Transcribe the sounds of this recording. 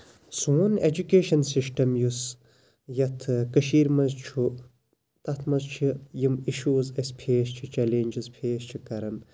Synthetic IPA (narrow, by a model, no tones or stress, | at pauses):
suned͡ʒukeːʃɐnsisʈɐmjus | jɐt̪ʰkɐʃiːɾmɐzt͡ʃʰu | t̪ɐt̪ʰmɐzt͡ʃʰijimiʃuːzɐspʰeːst͡ʃʰit͡ʃɐlenʲd͡ʒizpʰeːst͡ʃʰikɐɾɐm